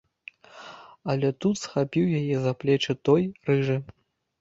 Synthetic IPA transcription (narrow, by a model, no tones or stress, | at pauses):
ɐlʲɛt̪ut̪sxapʲiwjajɛzaplʲɛt͡ʂɨt̪ɔjrɨʐɨ